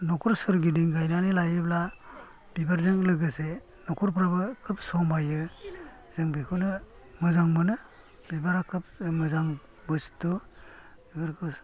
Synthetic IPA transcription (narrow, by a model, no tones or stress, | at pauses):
nɔkʰuɾsɯɾɡidiŋɡajnanilajɯbla | b̥ibaɾzɯŋlɯɡɯse | nɔkʰuɾp̬ɾabɯkʰɯp̚sɔmajɯ | zɯŋbikʰunɯ | mɯzaŋmɯnɯ | bibaɾakʰɯp̚mɯzaŋ | bɯstu | bibaɾkʰɯp